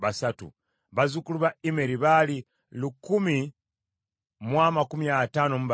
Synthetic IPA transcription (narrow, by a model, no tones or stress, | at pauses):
βasatṵ | βazukuluβaimeɾiβali | lukumi | mwamakumiataːnomuβ